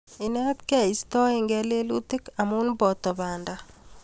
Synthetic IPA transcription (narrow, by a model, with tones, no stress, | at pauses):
i˨nɛ˦t̪kɛ˦˨i˨st̪ɔ˦e˨ŋɡɛ˦le˦lu˦t̪ɪ˦ka˨mu˦nbɔ˨t̪ɔ˨ba˨nda˨